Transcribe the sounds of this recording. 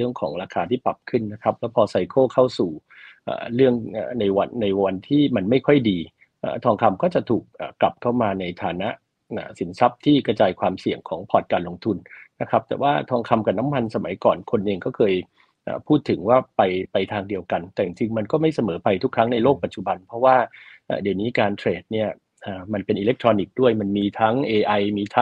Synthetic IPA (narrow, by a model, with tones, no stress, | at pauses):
ɯ˥˩əŋkʰɔ̰ː˩˦ŋɾaː˧kʰaː˧t̪ʰiː˥˩pɾa˨˩p̚kʰɯ˥˩nːa˦˥kʰa˦˥p̚lɛː˦˥wpʰɔː˧sa˧jkʰoː˥˩kʰa˥˩wsuː˨˩ʔa̰ː˨˩ɾɯ˥˩əŋʔa̰ː˨˩na˧jwa˧nːa˧jwa˧nt̪ʰiː˥˩ma˧nma˥˩jkʰɔ˥˩jdiː˧ | ʔa̰ː˨˩t̪ʰɔː˧ŋkʰa˧mkɔː˥˩t͡ɕa˨˩ʔt̪ʰuː˨˩k̚ʔa̰ː˨˩kla˨˩p̚kʰa˥˩wmaː˧na˧jt̪ʰaː˨˦na˦˥ʔ | ʔaː˧˩si˩˦nsa˦˥p̚t̪ʰiː˥˩kɾa˧t͡ɕaː˧jkʰwaː˧msi˨˩əŋkʰɔ̰ː˩˦ŋpʰɔː˨˩t̪̚kaː˧nlo˧ŋt̪ʰu˧nna˦˥kʰa˦˥p̚t̪ɛ̰ː˨˩waː˥˩t̪ʰɔː˧ŋkʰa˧mka˨˩na˦˥mːa˧nsa˧ma˩˦jkɔː˨˩nkʰo˧nʔeː˧ŋkɔː˥˩kʰɤː˧j | ʔa̰ː˨˩pʰuː˥˩t̪ʰːɯ˩˦ŋwaː˥˩pa˧jpa˧jt̪ʰaː˧ŋdi˧əwka˧nt̪ɛː˨˩t͡ɕi˨˩ŋt͡ɕi˧ŋma˧nkɔː˥˩ma˥˩jsa˧mɤː˩˦pa˧jt̪ʰu˦˥kʰːɾa˦˥ŋna˧jloː˥˩k̚pa˨˩t̚t͡ɕu˨˩ba˧npʰɔ˦˥waː˥˩ʔa̰ː˨˩di˨˩əwniː˦˥kaː˧nt̪ʰɾeː˨˩t̪̚ni˥˩ɐ | ʔaː˨˩ma˧npe˧nʔiː˧le˦˥k̚t̪ʰɾɔː˧ni˨˦˩k̚du˥˩əjma˧nmiː˧t̪ʰa˦˥ŋʔeː˧ʔa˧jmiː˧t̪ʰa˦˥ŋ